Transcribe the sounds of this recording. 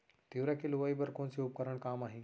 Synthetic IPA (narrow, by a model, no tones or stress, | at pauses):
t̪iʋɾakʰeluʋaːibəɾkõːnsiʊp̚kəɾəɽ̃kaːmaːɦĩ